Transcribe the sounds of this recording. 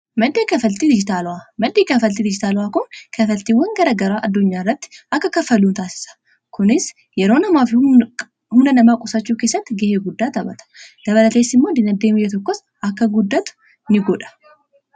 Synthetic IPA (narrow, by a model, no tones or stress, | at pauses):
mɐd̪ekɐfəlt̪id̪ɪd͡ʒɪt̪alwamɐd̪ekɐfəlt̪id̪ɪd͡ʒɪt̪alwakʊnkʰɐfɐlt̪iwɔŋɡɐɾɐɡɐɾaʔɐd̪ːʊɲːaɾːɐt̪ːʔɐkːɐkɐfːɐlunt̪ʰaːsɪ̥sḁ | kʰʊnɪs | jɛɾonɐmafi | hʊnɐnɐmakʼɔsat͡ʃːɛwkesɐt̪ːɡeheɡʊd̪ːat̪ɐbɐ̰t̪ʰɐ̥lɐβɐlɐt̪ʰesɪmːod̪ɪnɐd̪emɪjɛt̪ɔkːɔs | ʔɐkːɐɡʊd̪ːat̪ | nɪɡɔᶑɐ̥